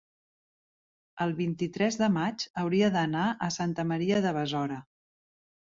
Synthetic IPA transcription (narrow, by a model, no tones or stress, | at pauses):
əlˠβint̪it̪ɾɛzðəmad͡ʒəwɾiəðənaʔəsant̪əməɾiəðəβəzɔɾə